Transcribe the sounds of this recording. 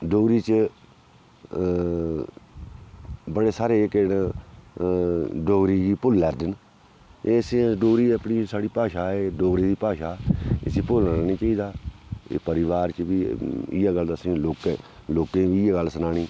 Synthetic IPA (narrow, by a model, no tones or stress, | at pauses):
ɖoːɾiːt͡ʃ | bəɽeːsaːɾeːken | ɖoːɾiːd͡ʒiːpʊlːɛːɾd̪ən | eːsẽɖoːɾiːəpɳiːsaːɽiːpaːʃaːeːɖoːɾiːd̪iːpaːʃaːḛsĩːpolnaːniːt͡ʃaːiːd̪aːḛːpəɾɪʋaːɾt͡ʃəʋiːɪ̰jaːɡəld̪aːsĩːloːkeloːkẽːʋiːɪjaːɡəlsənaːñiː